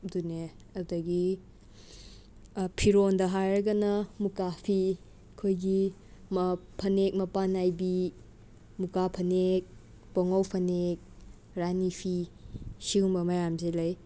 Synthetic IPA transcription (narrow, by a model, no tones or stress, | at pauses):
dune | ɐdɐɡi | pʰiɾondɐɦajɾɐɡɐnɐmukapʰi | kʰojɡi | mpʰɐnek̚mɐpanajbi | mukapʰɐnek̚ | pɔŋawpʰɐnek̚ | ɾanipʰisiumbɐmɐjamzelaj